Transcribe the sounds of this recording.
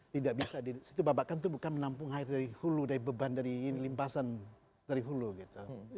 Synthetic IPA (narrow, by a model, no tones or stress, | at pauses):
t̪idaʔ̚bisadisit̪ubabaʔkant̪uhbukanmənampʊŋhaɪrdaɾihuludaɾibəbandaɾiːnlimpasan | d̥aɾiɦuluɡit̪u